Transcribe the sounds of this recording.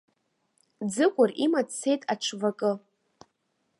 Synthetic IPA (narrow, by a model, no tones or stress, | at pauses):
d͡zɨkʷʼʊrimatt͡sːejtʼaʈ͡ʂʷʰvakʼɨ